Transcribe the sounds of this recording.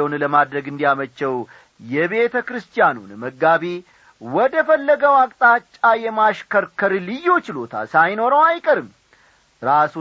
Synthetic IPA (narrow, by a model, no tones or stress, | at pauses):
onləmad̪ɾəɡɨnd̪ijamət͡ʃːɛw | jɛβe̞t̪ʰəkɾɨst̪ʰijanunməɡːaβe | wɔd̪əfəlːəɡəwakʼt̪ʼat͡ʃʼːajɛmaʃkəɾkʰəɾlɨjːo̞t͡ʃɪlot̪ʰa̰lsajno̞ɾəwajkʼəɾɨm | ɾasu